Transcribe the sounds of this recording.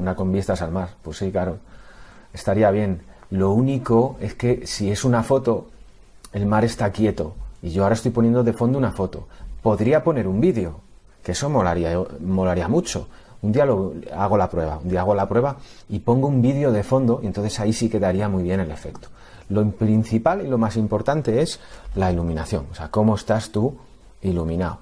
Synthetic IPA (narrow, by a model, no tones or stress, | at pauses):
unako̞mbjest̪asalmaɾpwe̞sːikaɾo̞ | e̞st̪aɾiaβ̞je̞nlo̞uniko̞e̞ske̞sie̞sunafo̞t̪o̞ | e̞lmaɾe̞st̪akje̞t̪o̞iʝo̞aɾaest̪ojponje̞nd̪o̞ðe̞fo̞nd̪ounafo̞t̪o̞̰po̞ðɾiapo̞ne̞ɾumbiðjo̞ | kee̞so̞mo̞laɾiaomo̞laɾiamut͡ʃo̞ | und̪ialoaɣ̞o̞lapɾwe̞βa̰und̪iaaɣ̞olapɾwe̞βaipo̞ŋɡoumbiðjo̞ð̞e̞fo̞nd̪o̞ijent̪o̞nθe̞saisike̞ðaɾiamujβje̞ne̞le̞fe̞kt̪o̥ | lopɾin̟θipalilo̞masimpo̞ɾt̪ant̪e̞e̞slailumĩnaθjo̞̰ŋose̞ako̞moe̞st̪ast̪u | ilumĩnao